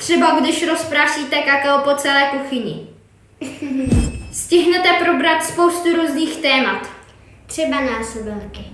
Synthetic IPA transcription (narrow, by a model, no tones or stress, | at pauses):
t̪r̝̥ɛbaɡdɪʃɾo̞spɾaːsiːt̪ɛkakalopo̞t͡sɛlɛːkuxɪɲɪ̰ | scɪɦnɛt̪ɛpɾo̞bɾat̪spo̞wst̪uɾuːzniːxt̪ɛːmat̪ | t̪r̥ɛbanaːsobɛlkɪ